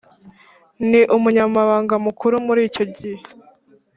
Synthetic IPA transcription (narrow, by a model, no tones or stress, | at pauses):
niʔumuɲamaβaːŋɡamukuɾumuɾiːco̞ɟihe